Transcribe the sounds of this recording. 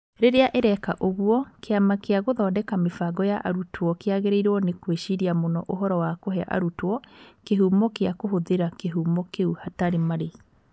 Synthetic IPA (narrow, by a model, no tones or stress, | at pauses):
ɾeɾeaʔeɾɛkaʔoɣuɔkeamakeaɣoðɔːdɛkamefaɡɔjaʔaɾutʰwɔkeaɣeɾeiɾɔnekweʃiɾiamonɔʔoɦɔɾɔwakoɦɛaʔa̰ɾutwɔkeɦuːmɔkeakoɦoðeɾakeɦuːmɔkeuhataɾemaɾe